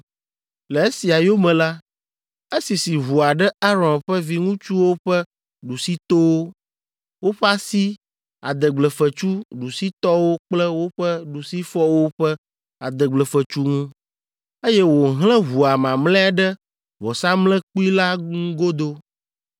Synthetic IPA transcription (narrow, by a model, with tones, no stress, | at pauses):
lə˨e˦si˨a˨jo˦mɛ̃˨la˦ | e˦si˨si˨βu˨a˨ɖɛ˦a˦ɾɔ̃˨nɸɛ˦vi˦ŋũ˦t͡ʃu˦wo˦ɸɛ˦ | ɖu˨si˦t̪o˦wo˦ | wo˦ɸɛ˦a˦si˦ | a̰˨d̪ə˨ɡ͡blə˨fə˨t͡ʃu˦ɖu˨si˦t̪ɔ˦wo˦k͡plɛ˦wo˦ɸɛ˦ɖu˨si˦fɔ˦wo˦ɸɛ˦ | a̰˨d̪ə˨ɡ͡blɛ˨fə˨t͡ʃu˦ŋũ˦ | e˦jɛ˦wo˨ɦlɛ̃˦ɦu˨a˨mã˨mlɛ̃˦a˨ɖɛ˦ | vɔ˨sa˦mlɛ̃˦k͡pu˦i˦la˦ŋũ˦ɡo˦d̪o˦